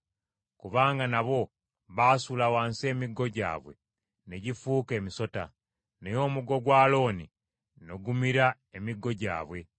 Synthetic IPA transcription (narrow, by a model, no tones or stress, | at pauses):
kuβaːŋɡanaβo̞ | βaːsulawaːnse̞ːmiɡo̞ɟa̰ːβwe̞̰ | neɟifuːke̞ːmiso̞ta̰ | nejo̞ːmuɡo̞ɡwaːlo̞ːni | noɡumiɾa | e̞miɡo̞ɟa̰ːβwe̞